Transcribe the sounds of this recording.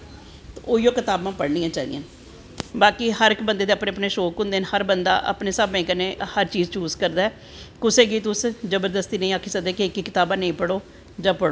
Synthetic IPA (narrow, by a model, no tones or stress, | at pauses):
t̪ːoːijoːkɪt̪aːbãːpəɽnĩːãːt͡ʃaːid̪ḭ̃ãːn | baːkiːhəɾɪkbənd̪eːd̪eːəpneːəpneːʃoːkɦʊ̃nd̪eːnhəɾbənd̪a̰ːʔə̰pneːsabẽːkəneːhəɾt͡ʃiːzt͡ʃuːzkəɾd̪aːɛː | kʊseːɡiːt̪ʊszəbəɾd̪əst̪iːnə̃ĩːaːkʰːiːsəkd̪eːkeɪkːikɪt̪aːbãːnəĩːpəɽoː | d͡ʒãːpəɽoː